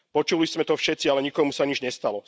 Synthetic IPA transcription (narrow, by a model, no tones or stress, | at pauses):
pɔt͡ʃuliz̥mɛt̪ɔfʃɛt̪t͡sialɛɲikɔmusaɲid͡ʒɲɛst̪alɔ